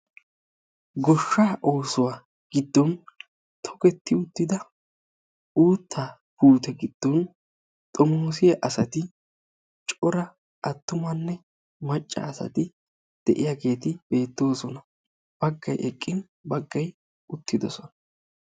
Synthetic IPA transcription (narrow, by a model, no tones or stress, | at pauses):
ɡɔʃːaːʔo̞ːsʊwaː | ɡ̥ɪd̪ːɔn | t̪ʰɔ̥kɛt̪ːɪʊt̪ːɪd̪ɐ | uːt̪ʰːaː | puːt̪ɛɡɪd̪̥ːɔn | t̪ʼɔmoːsɪjɐʔɐsɐt̪ɪ | t͡ʃʼɔɾɐ | ʔɐt̪ːʊmɐnːɛ | mɐt͡ʃʼːa̰ːsɐ̰t̪ɪ | d̪̥ɛʔɪjaɡe̞ːt̪ɪb̥e̞ːt̪ːo̞ːsɔnɐ | b̥ɐɡːɐjʔɛkʼːɪn | bɐɡːɐj | ʊt̪ːɪd̪ɔsɔnɐ̥